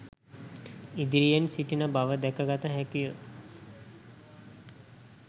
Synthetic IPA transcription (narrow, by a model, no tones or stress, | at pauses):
id̪iɾijensiʈinəbaʋəd̪ɛkəɡat̪əɦækijə